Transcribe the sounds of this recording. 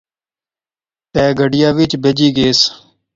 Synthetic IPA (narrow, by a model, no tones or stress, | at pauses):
t̪ɛːɡʱəɖɪjaːʋɪt͡ʃbed͡ʒiːɡeːs